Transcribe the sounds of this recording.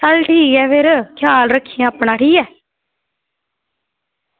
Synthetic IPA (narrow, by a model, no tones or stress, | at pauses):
səlʈʰiːkɛːfeɾkʰjaːlɾəkʰːiẽaːpɳaːʈʰiːkɛː